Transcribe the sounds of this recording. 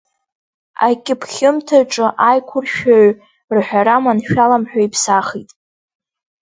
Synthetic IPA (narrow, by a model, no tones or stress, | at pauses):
a̰kʲʼɪpʰχʲɪmtʰaʈ͡ʂʼɨʔajkʷʰʊrʃᶣaɥ | rħᶣaɾamanʃᶣalamħᶣaipʰsaχitʼ